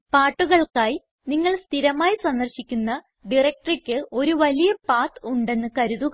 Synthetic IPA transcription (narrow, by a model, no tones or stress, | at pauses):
paːʈːuɣɐɭkaːji | niŋːɐɭst̪ʰiɾɐmaːjisɐnd̪ɐrɕikʲːunːɐ | ɖirek̚ʈɐrikʲːɨʔo̞ɾuʋɐlijɐpaːt̪uɳɖe̞nːɨkɐɾuðuɣɐ